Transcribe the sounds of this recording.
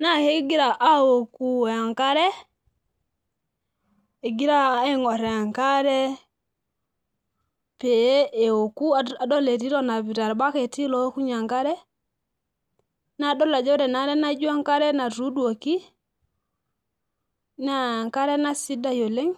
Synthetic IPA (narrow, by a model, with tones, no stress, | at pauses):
na˦ke˦ɡi˦ɾa˨ʔa˦wo˨ku˦˨a˨ŋka˦ɾɛ˦ | e˨ɡi˦ɾa˦e˦ŋɔ˨ɾɛ˨ŋka˦ɾɛ˦ | pe˨˦e˨wo˨ku˦a˨dɔ˦le˨ɾi˦ɾɔ˦na˨bi˨ɾa˨ɾba˦ke˨ti˦lɔ˦ku˦ɲa˨ŋka˦ɾɛ˦ | na˦˨˦dɔ˦la˨d͡ʒɔ˦ɾɛ˨na˦ɾɛ˦na˦d͡ʒu˦a˦ŋka˦ɾɛ˦na˨ɾu˦du˦o˨ki˦ | na˨ŋka˦ɾɛ˦na˦si˦da˦jo˨le˦ŋ